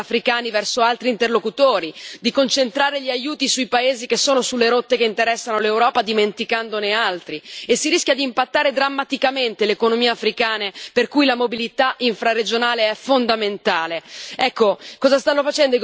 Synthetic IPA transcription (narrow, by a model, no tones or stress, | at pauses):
afɾikaːnivɛrsoalt̪ɾiːnt̪erlokut̪oːɾid̪ikont͡ʃent̪ɾaːɾeʎiajuːt̪isuipaeːzikesːoːnosulːeɾot̪ːekeint̪eɾɛsːanolewɾɔːpad̪iment̪ikand̪onealt̪ɾiesːiɾiskʲjad̪iːmpat̪ːaːɾed̪ɾamːat̪ikament̪elekonomiːeafɾikaːneperkujlamobilit̪aʔiɱfɾared͡ʒonaːleɛfond̪ament̪aːleɛkːokɔːzast̪anːofat͡ʃɛnd̪oi